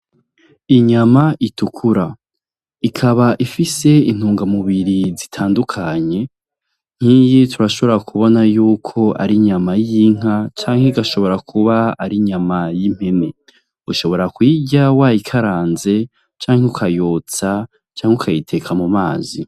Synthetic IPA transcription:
iɲamaʔitukʰuɾa | ikʰaβaʔifise̞in̥huːŋɡamuβiɾizitʰaːndukʰaɲe̞ | ŋ̥iːjitʰuɾaʃo̞βoɾakʰuβo̞najuːkʰo̞a̰ɾiɲamajiŋ̥at͡ʃaːŋheiɡaʃo̞βo̞ɾakʰuβaaɾiɲamajim̥he̞me̞ | ɡuʃo̞βo̞ɾakwiːɟawajikʰaɾaːnze̞ | t͡ʃaːŋeukʰajoːt͡sa | t͡ʃaːŋeukʰajitʰe̞kʰamuma̰ːzḭ

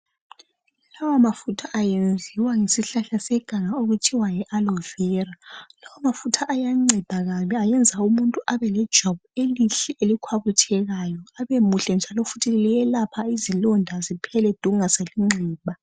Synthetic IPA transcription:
lawamafutʰaʔajend͡zʱiwaŋesiɬaɬasɛɡ̥ʱaŋaoɣutʰiwajɛʔalɔvɛːralawamafutʰaʔːjaŋ͡ǀɛd̥ʱaɣamiajɛnd͡zʱaumuntʼuʔaβɛlɛd̥ʒ̥ʱɔβueliɬɛʔelikʰwaβutʰɛɣajɔaβemuɬɛnd͡ʒʱalofutʰilijɛlapʰaizilɔndʱazipʰɛlɛd̥ʱuŋaseliŋ͡ǀʱɛːβa

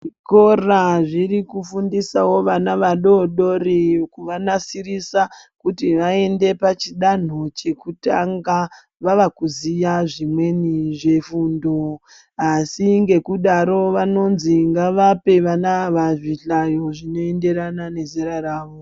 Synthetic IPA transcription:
ʐiko̞raʐirikufundisawo̞ʋanaʋaɗo̞ɗo̞rikuʋanasirisa | kutiʋae̞nde̞pat͡ʃiɗan̤o̞t͡ʃe̞kutaŋɡa | ʋaʋakuzijaʐimwe̞niʐe̞fuːndo̞ | asiŋɡe̞kuɗaɾo̞ʋano̞nziŋɡaʋape̞ʋanaʋaʐiɬajo̞ʐino̞e̞nde̞ɾanane̞ziɾaraːʋo

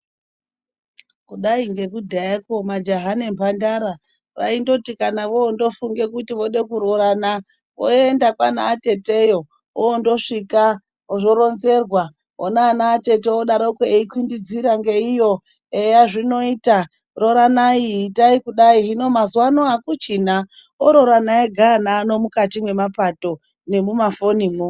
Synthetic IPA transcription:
kuɗaiŋɡe̞kudʱaekomad͡ʒaɦane̞mpʰandaɾa | ʋa̰indo̞tikanaʋoondo̞fuŋɡe̞kutiʋo̞ɗe̞kuɾo̞ɾana | ʋo̰endakwana̰ːte̞te̞jo̞ | oondo̞ʂika | oʐo̞ɾonze̞rwa | onaːnaːte̞te̞oɗaɾoukeeikwindid͡ziɾaŋɡe̞ijo | ejaʐino̞iːta | ro̞ɾanaitaikuɗaiɦino̞mazwanoakut͡ʃina | oɾo̞ɾanaeɡʱanaːno̞mukatimwe̞mapato̞ | ne̞mumafo̞nimo

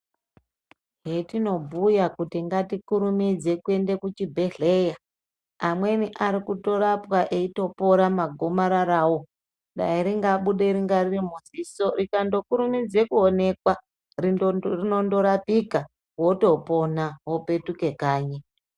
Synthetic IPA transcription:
ɦetino̞bʱujakutiŋɡatikuɾumid͡ze̞kue̞nde̞kut͡ʃibʱe̞ɮe̞ja | amwe̞niʔaɾikuto̞ɾapwaʔeito̞po̞ɾamaɡʱo̞maɾaɾaːwo̞ | ɗa̰iɾiŋɡaɓuɗe̞ɾiŋɡaririmuziso̞rikando̞kuɾumid͡ze̞kuone̞kwa | ririno̞ndo̞ɾapika | ɦo̞to̞po̞naɦo̞pe̞tuke̞kaːɲe

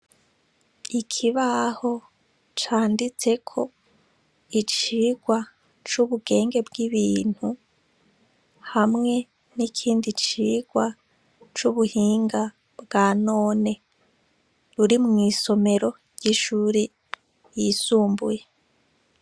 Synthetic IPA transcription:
ikʰiβaho̞ | t͡ʃaːndit͡se̞kʰo̞ | it͡ʃiːɡ̥wa | t͡ʃuβuɡe̞ːŋɡe̞b̚ɡiβiːn̥hu | hamŋe̞ | nikʰiːndit͡ʃiːɡ̥wa | t͡ʃuβuhiːŋɡa | bɡanoːne̞ | ɾuɾimŋiːso̞me̞ɾo̞ | ɾɟiʃuːɾi | jiːsuːmbuje

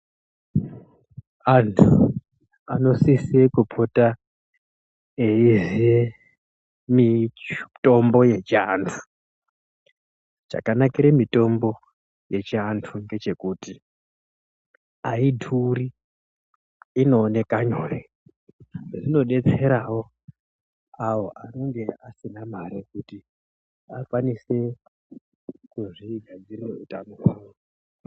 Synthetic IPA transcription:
antʰu | ano̞sisekupʰota | eizie | mitʼo̞mbo̞je̞t͡ʃantʰu̥ | t͡ʃa̰kanakiɾemito̞mbo̞ | je̞t͡ʃantʰuŋɡe̞t͡ʃe̞kuti | aidʱuri | no̞ːne̞kaɲore | ʐeʐino̞ɗe̞t͡se̞ɾawo̞ | awoʔano̞ŋɡe̞asinamaɾikuti | akwanise̞ | kuʐiɡʱad͡zirireutanokwaːwo

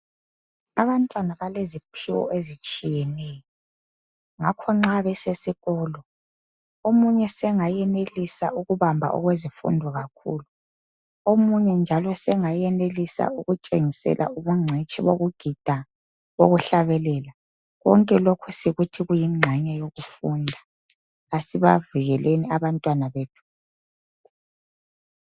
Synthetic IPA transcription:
aβantʼwanaβalezipʰiwɔ̰ʔezit͡ʃʼijɛnɛːjɔ | ŋakʰɔŋ͡ǁaβɛsesiɣɔːlɔ | omuɲɛsɛŋajɛnelisa̰uɣuβambʱa̰ʔɔ̰ɣwezifṵndʱɔɣakʰṵːlu | omuɲɛnd͡ʒʱalɔsɛŋajɛnelisa̰uɣut͡ʃʼeŋisɛ̰lʔa̰uβuŋ͡ǀʱɛt͡ʃʼḭβoɣuɡ̥ʱid̥ʱa | βoɣuɬaβɛlɛːla | ɣɔ̰ŋkʼɛlokʰusiɣutʰiɣujimŋ͡ǀʱaɲɛjoɣufundʱa | asiβaviɣɛlweniaβantʼwanaβetʰu̥

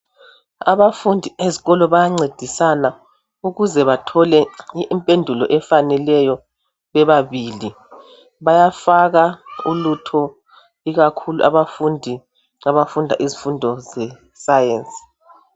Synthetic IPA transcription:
a̰βafundʱieziɣɔlɔβajaŋ͡ǀed̥ʱisana | uɣuzɛβatʰɔlɛmpʼendʱulɔʔɛfanɛlɛjɔ | βɛβaβiːli | βajafaɣaulutʰɔ | iɣakʰuluʔaβafundʱi | aβafundʱa̰ʔizifundʱɔzɛ | sajeːnt͡sʼi̥

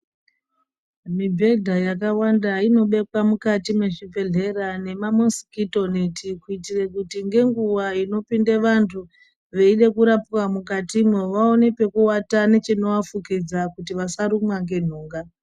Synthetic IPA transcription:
mibʱe̞dʱajakawandaino̞ɓe̞kwamukatimweʐibʱe̞ɮe̞rane̞mamonsi̥kito̞netikuitire̞kutiŋɡe̞ŋɡuwaino̞pindeʋantʰu | ʋe̞iɗe̞kuɾapwamukatimwoʋao̞ne̞pe̞kuwatane̞t͡ʃino̞afukid͡zakut̬iʋasaɾumwaŋɡe̞n̤uːŋɡa

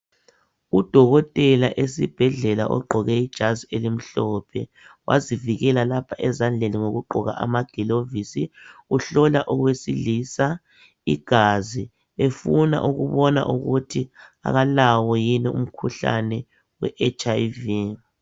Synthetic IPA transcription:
ud̥ʱɔɣɔtʼɛlaʔesib̥ʱɛɮɛla̰ʔɔ̰ɡ͡ǃʱɔɣɛid̥ʒ̥ʱazielim̩ɬɔpʰɛ̰ | wʔa̰ziviɣɛlalapʰaʔɛzand͡ɮʱeniŋoɣuɡ͡ǃʱɔɣa̰ʔamaɡ̥ʱɛlovisiuɬɔlaʔɔɣwesilisa | ḭɡ̥ʱazi | efuna̰ʔuɣuβɔna̰ʔuɣutʰia̰ɣalawɔjinɛʔum̩kʰuɬa̰nɛ | wɛ̰ʔɛt͡ʃʼajvi

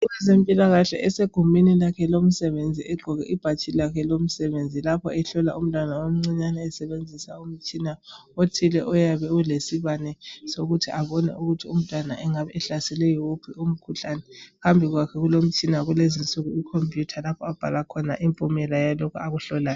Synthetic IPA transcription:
iwɛzempʼilaɣaɬɛ̰ʔɛseɡ̥ʱumʱinilakʰɛlom̩sɛβend͡zʱiɛɡ͡ǃʱɔɣɛ̰ʔib̥ʱat͡ʃʰilakʰɛlom̩sɛβend͡zʱilapʰɔɛɬɔla̰um̩tʼwanawom̩ŋ͡ǀiɲanɛːsɛβend͡zʱisaum̩t͡ʃʼina | otʰilɛʔɔjaβɛlesiβanɛsoɣutʰiʔaβɔnɛ̰ʔuɣutʰium̩tʼwanaʔɛŋaβɛɛɬasɛlɛjɔwupʰium̩kʰuɬanɛkambʱiɣwakʰɛɣulom̩t͡ʃʼinaɣulezint͡sʼuɣuikʰompʼjutʰalapʰɔab̥ʱa̰lakʰɔnaʔimpʼumɛlajalɔkʰuaɣuɬɔlaːjɔ

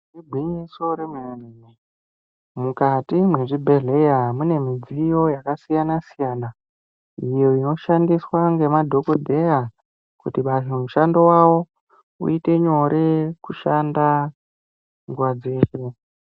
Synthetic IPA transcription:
ribʱwiɲiso̞ɾemueneme | mukatimwe̞ʐibʱe̞ɮe̞jamune̞mid͡zijo̞jakasijanasijaːna | ijo̞ino̞ʃandiswaŋɡe̞madʱo̞kodʱe̞ja | kutiɓaʐomuʃando̞wawo̞ | ṵite̞ɲo̞ɾʔekuʃanda | ŋɡwad͡ze̞ːʃe

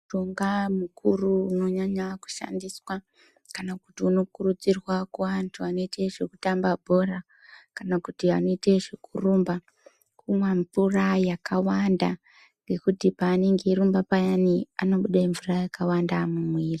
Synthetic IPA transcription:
toŋɡamukʰuruuno̞ɲaɲaku̥ʃa̰ndiswa | kanaku̥tiuno̞kurud͡zirwakuʋantʰuano̞ite̞ʐe̞kutambabʱo̞ra | kanakutiano̞ite̞ʐekʰurumba | kumaɱvurajakawanda | ŋɡe̞kutipaːne̞ŋɡeiɾumbapajaniano̞ɓuɗaiɱvurajakawandamumwiːri

